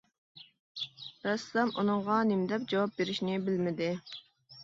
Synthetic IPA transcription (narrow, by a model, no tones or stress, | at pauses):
ɾɛslɛmunɨŋʁɑnɪmd̪ɛp̚d͡ʒɑwɑp̚beɾɪʃnɪbɪlmɪd̪ɪ